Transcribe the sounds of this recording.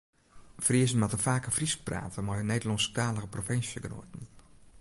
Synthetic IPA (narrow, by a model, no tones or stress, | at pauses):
friəzənmatəfaːkəfrisk̚pra̰ːtəmajəneːdəlɔnstaːləɣəprofɪnsjəɡəno̰ːtən̩